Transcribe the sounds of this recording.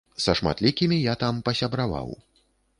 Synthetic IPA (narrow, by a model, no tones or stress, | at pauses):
sɐʂma̰t̪lʲikʲimʲijat̪ampɐsʲɐbɾava̰w